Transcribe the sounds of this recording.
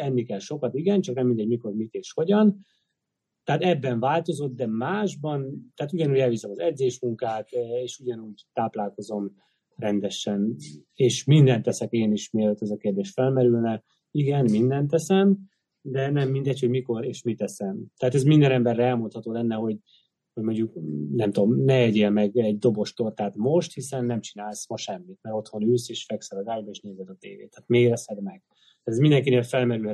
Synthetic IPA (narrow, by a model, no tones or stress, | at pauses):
ɛmːikɛlʃo̞kɒt̪iɡɛnt͡ʃɒknɛmːind̪ɛɟmiko̞rmit̪eːʃho̞ɟɒn | t̪ɛaːt̪ɛbːɛɱvaːlt̪o̞zo̞t̪̚d̪ɛmaːʒbɒnt̪ɛːt̪uɟɒnuːɟɛlvisɛmɒzɛd̪zeːʃmuŋkaːk̪eːʃuɟɒnuːɟt̪aːplaːlko̞zo̞m | rɛnd̪ɛʃɛn | eːʃmind̪ɛnt̪ːɛsɛkeːniʃmeːløt̪ːɛzɒkeːrd̪eːʃfɛlmɛɾylnɛ | iɡɛnmind̪ɛnt̪ːɛsɛm | d̪ɛnɛmːind̪ɛcho̞ɟmiko̞ɾeːʃmit̪ɛsɛmt̪ɛɦaːt̪ɛzmind̪ɛnɛmbɛrːɛɛlmo̞nt̪hɒt̪oːlɛnːɛɦo̞ɟ | ho̞ɟmoɲɟuknɛmt̪o̞mnɛɛɟeːlmɛɡɛɟd̪o̞bo̞ʃt̪o̞rt̪aːt̪mo̞ʃt̪hisɛnːɛmt͡ʃinaːlsmɒʃɛmːit̪mɛɾo̞t̪ho̞nyːseːʃfɛksɛlɒzaːɟbɒeːʃneːzɛd̪ɒt̪eːvḛːt̪ʰːaːt̪meːɾɛshɛd̪mɛɡ̥ | t̪aːt̪ɛzmind̪ɛŋkineːlfɛlmɛɾylhɛ